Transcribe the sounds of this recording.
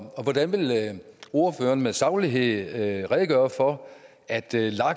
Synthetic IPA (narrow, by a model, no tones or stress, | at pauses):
ɒ̽ʋɒd̥ænʋe̝lo̝ɐfø̰ːɐnmeðˠsɑ̈ʊliɦe̝ð̰ˠʁɛðˠɡ̥ɶːɐfɒ̽ | æd̥lɑ̈ɡ̥